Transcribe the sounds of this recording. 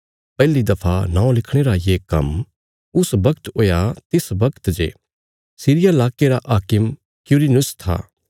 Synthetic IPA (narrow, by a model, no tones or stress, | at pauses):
pɛːlid̪ɐpʰanãːõlɪkʰɽ̃eːɾajeːkɐ̰m | ʊsbɐkt̪oːjat̪ɪsbɐkt̪d͡ʒḛː | siːɾɪjalaːkeɾaʔaːkɪm | kjuːɾinʊst̪ʰa̰ː